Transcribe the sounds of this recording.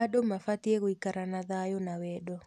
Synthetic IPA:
aɗomafat̪jekoikaɾanaðajonawɛdɔ

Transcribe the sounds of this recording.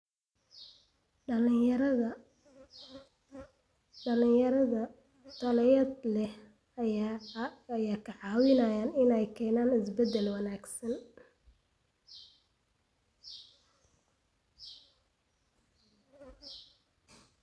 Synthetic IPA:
ɾ | ɖɐlɪjɐɾɐðɐ | t̪ʰɐlɐjɐd̪lɛh | ɐjaːkʰɐʕɑːwɪnaːjaːnɪnɛjkʰɛːnaːnɪsbɛd̪ːɛlwɑnaːɡsɐn

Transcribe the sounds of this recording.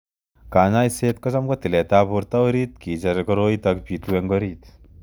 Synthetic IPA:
kaːɲaiseːt̚kɔt͡ʃamkɔtilɛtaːpuɾtaɾiːt̪̚kit͡ʃeɾkɔɾoitakpitwɛŋɡɔɾiːt

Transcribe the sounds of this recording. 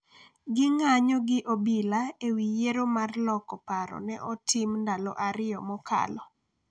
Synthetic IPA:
ɡɪŋaɲɔɡɪʔobilaewijeɾomarlɔkɔpaɾɔ̰nɛʔɔtʰɪmndalɔ̰ʔaɾɪjɔmɔka̰lɔ

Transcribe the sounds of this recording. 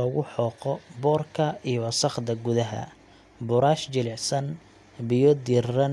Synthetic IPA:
ɔːɣʊħɔːqɔbɔːrkʰɐijɔwɐsɐχd̪ɐɡʊðɐɦɐ̰ | bʊɾaːʃd͡ʒɪlɪʕsɐn | bɪjɔd̪irːɐn

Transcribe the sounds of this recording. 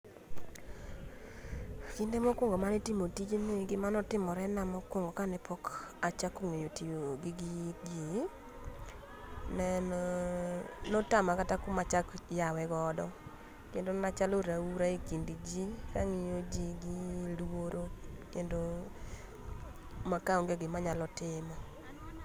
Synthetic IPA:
kindemɔkwoŋɡomanetimotid͡ʒeneɡɪmanɔtɪmɔɾɛnamɔkwoŋɡɔkanɛpʰɔkat͡ʃakoŋejotijoɡɪɡid͡ʒi | nɛnɔ | nɔtamakatakʊmat͡ʃakjawɛɡɔːdɔ̰ | kendonat͡ʃaloɾauɾaikindid͡ʒikaŋijod͡ʒiɡɪlwoɾokendo | makaoŋɡeɡɪmaɲalɔtɪmɔ

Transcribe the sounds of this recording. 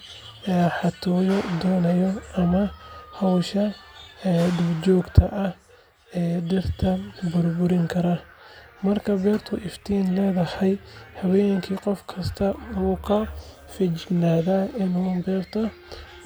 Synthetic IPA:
ɛːħɑt̪ʰɔːjɔd̪ɔːnɐjɔʔɐmɐhɔwʃɐɛːd̪ɪbt͡ʃɔːɡt̪ʰɐʔɐh | ɛːɖɪrt̪ʰɐbʊrbʊɾɪŋkʰɐɾɐ | mɐrkʰɐbɛːrt̪ʰʊʔɪft̪ʰiːnlɛːðɐhɛjhɐwɛːŋkʰiːqɔfkʰɐst̪ʰɐuʊkʰɐ | fɪt͡ʃnaːðaɪnuːbɛːrt̪ʰɔ

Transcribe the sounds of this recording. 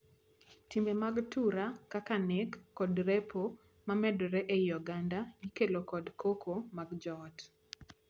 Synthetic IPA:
timemaɡtuɾakakanekːɔdɾepʰo | mamɛdɔɾɛʔejɔɡandajikelokɔdkʰokʰomaɡd͡ʒɔt

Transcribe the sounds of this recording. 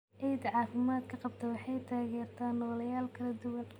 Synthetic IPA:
ʔɛjd̪ʕɑːfɪmaːd̪̚kʰɐqɑb̚t̪ʰɐwɑħɑjt̪ʰaːɣɛːrt̪ʰaːnːɔːlɐjaːlkʰɐlɐd̪ʊwɐn

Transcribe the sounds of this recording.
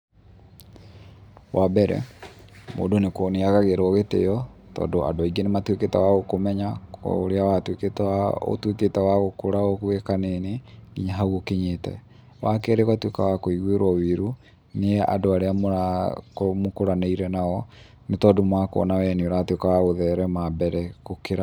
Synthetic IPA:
wabɛɾɛ̰ | mo̰ːdonekoneaɣaɣeɾɔɣetḛjɔ | tɔ̰ːdoa̰doaiɡenematweketɛ̰waɣokomɛɲa̰oɾeawatweketao̰twetetɛwaɣokoɾaoɣwekaneneɡiɲaɦaɣokeɲetɛ̰ | wakɛɾeɣwatweka̰wakoiɣweɾwɔwiɾu | neɛʔa̰doaɾeamoɾakomokoɾaneiɾɛnaɣɔ | netɔːdomwakoɔ̰nawɛneoɾatwekawaɣoðɛɾɛmabɛɾɛɣokeɾa

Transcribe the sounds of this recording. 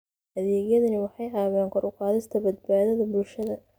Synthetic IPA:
ʔɐðɛːɣjɐðɐnɪwɑħɑjʕɑːβɛːŋkʰɔɾʊqɑːðɪst̪ʰɐbɐd̪̚baːðɐðɐbʊlʃɐðɐ

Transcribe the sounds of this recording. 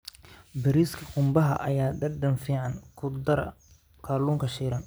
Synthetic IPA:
bɐɾiːskʰɐqʊmbɐɦɐ̰ʔɐ̰jaːɖ̪ɐrd̪ɐnfiːʕɑŋkʰʊd̪ɐɾɐ̰ | kʰaːluːŋkʰɐʃiːɾɐn

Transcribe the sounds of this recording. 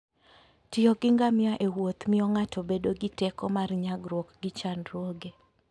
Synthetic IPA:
tɪɔɡɪŋɡamɪaʔewot̪mɪɔŋatobedoɡɪtɛkɔmarɲaɡɾwɔkɡɪt͡ʃanɾwoɡe

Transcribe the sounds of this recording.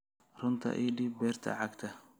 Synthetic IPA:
rʊnt̪ʰɐ̰ʔiːɖibɛːrt̪ʰɐ̰ʕɑɡt̪ʰɐ

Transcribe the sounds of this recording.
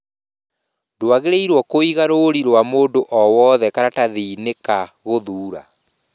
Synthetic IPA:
doaɣeɾeiɾwɔkoiɣaɾoɾiɾowamoːndoʔɔwɔðɛkaɾataðiːnekaɣoðuːɾa̰

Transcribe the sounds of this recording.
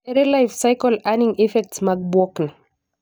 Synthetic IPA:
ɛɾelajfsajkɔlanĩŋɛfɛk̚tsmak̚bɔkn

